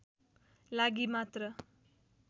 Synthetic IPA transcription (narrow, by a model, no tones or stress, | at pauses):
laɡimat̪ɾʌ